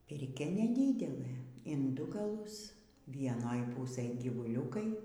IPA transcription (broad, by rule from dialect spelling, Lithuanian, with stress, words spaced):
pʲɪrʲˈkʲɛ nʲɛˈdʲiːdʲɛlˠɘ ɪn ˈdʊ ɡɐˈlˠʊs ʋʲiɛˈnoːj ˈpuːsɘj ɡʲiːʋʊˈlʲuːkɐɪ